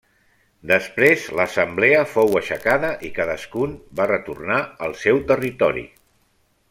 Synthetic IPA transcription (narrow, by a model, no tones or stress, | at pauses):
d̪əspɾezləsəmbleəfowəʃəkaðəʔikaðəskunbarət̪urnaəlˠsɛwt̪ərit̪ɔɾḭ